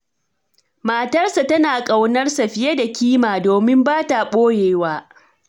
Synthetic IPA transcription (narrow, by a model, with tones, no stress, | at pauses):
maː˨tɐ˦rsa˨tɐ˦naː˨kʼa˨wnɐ˦rsɐ˨ɸɪ˨je˦da˨kʲiː˦maː˨doː˨mɪ˦mbaː˦ta˨ɓoː˦jeː˨waː˦